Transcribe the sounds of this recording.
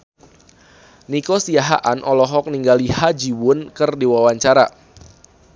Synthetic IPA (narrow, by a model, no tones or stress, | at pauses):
nikɔsiaɦa̰ʔanʔɔlɔɦɔk̚niŋɡalihad͡ʒiwʊnkɨrdiwawaɲt͡ʃaɾa